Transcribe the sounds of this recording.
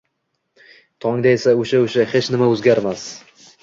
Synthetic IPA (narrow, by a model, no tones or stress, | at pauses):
t̪ʰɒŋd̪aesaoʃaoʃahet͡ʃnɪmaɵzɡʲaɾmas